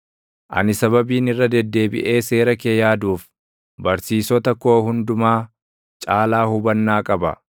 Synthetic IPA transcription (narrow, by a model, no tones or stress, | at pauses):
ʔɐ̰nɪsɐβɐbiːnɪrːɐd̪ɛd̪ːe̞ːbɪ̰ʔe̞ːse̞ːɾɐkeːjaːd̪uːf | bɐɾsiːsɔt̪ɐkːo̞ːhʊnd̪ʊmaː | t͡ʃʼaːlaːhʊbɐnːaːkʼɐbɐ̰